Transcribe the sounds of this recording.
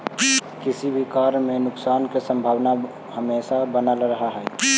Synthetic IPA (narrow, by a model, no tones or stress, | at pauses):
kisibʱikaɾmenʊksaːnkesə̃mbʱaːʋna | həmesabənalɾəɦaɦɛ